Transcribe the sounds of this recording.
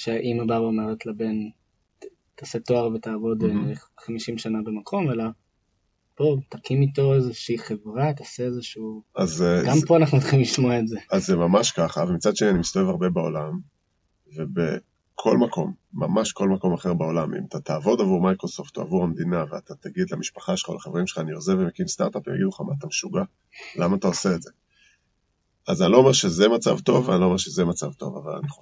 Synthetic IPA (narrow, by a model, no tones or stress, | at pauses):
ʃeʔimadabomeʁet̪labe̞n | t̪aset̪o̞aʁvetaːvo̞deχamiʃimʃanabemakʰo̞mela | pot̪akimito̞ezeʃiːχevʁat̪aseezeʃuazeɡampoanaχnut͡sχimliʃmoaetzeazːemamaʃkaχavemit͡sadʃe̞nianimist̪oevaʁbe̞bao̰lam | ve̞bḛ | kʰo̞lmakʰo̞̰mːa̰maʃko̞lmako̞maχe̞ʁbao̞lamḭmat̪at̪aːvo̞davuʁmajkʁo̞so̞ft̪oa̰vuʁamd̪inaveat̪at̪aɡid̪lamiʃpḁχaʃelχalaχaveʁimʃe̥l̥χaːniozevemekinst̪a̰ʁt̪apja̰ɡid̪luχama̰ːt̪ameʃuɡa | lamaːt̪aose̞ːtze̞ | azanilo̞ːmeʃezemat͡sa̰vt̪o̞vanilome̞ʁʃezemat͡savt̪o̞̰va̰va̰la̰ni